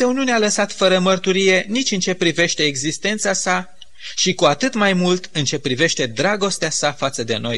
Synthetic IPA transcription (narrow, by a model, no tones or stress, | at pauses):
euniunealəsat̪fəɾəmərt̪uɾije̞nit͡ʃʲɨnt͡ʃe̞pɾive̞ʃt̪e̞ːɡzist̪e̞nt̪sasa | ʃikuat̪ɨt̪majmult̪ɨnt͡ʃe̞pɾive̞ʃt̪e̞d̪ɾaɡo̞st̪easafat̪səd̪e̞̰no̞̰j